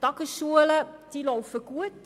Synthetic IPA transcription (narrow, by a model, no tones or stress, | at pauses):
d̥ɑkəʃuələd̥ilowfəɡuət